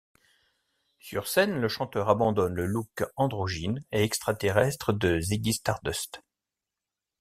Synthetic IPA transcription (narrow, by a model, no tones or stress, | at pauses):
syʁsɛnləʃɑ̃t̪œʁabɑ̃d̪ɔnləlukɑ̃d̪ʁoʒineɛkst̪χat̪eʁɛst̪χəd̪əzeɡʲist̪aʁd̪œst̪